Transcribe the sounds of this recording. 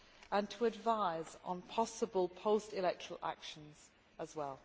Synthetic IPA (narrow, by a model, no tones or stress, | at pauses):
ʔə̃ntʰəːdvaɪzn̩pʰɒsəbəlˠpʰəʊstɪlɛk̚tʰə̥ɹəlˠʔa̰kʃə̃nz̥ | əzwɛlˠ